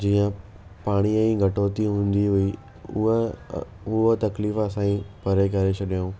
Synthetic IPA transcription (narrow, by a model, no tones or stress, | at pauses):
d͡ʑiːə̃ | paːɽ̃iɛ̃ɡʱɐʈoːt̪iɦũːn̆d̪iɦʊi | ʊɦot̪ɐkliːfəsãːĩpɐɾek̬ɐɾet͡ɕʰʊɗijũː